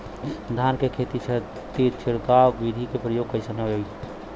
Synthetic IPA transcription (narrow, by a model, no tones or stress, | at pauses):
d̪ʱankekʰet̪it͡ʃʰə | t̪it͡ʃʰiɽkabid̪ʱikepɾəjoɡ̚kəɪsənəoi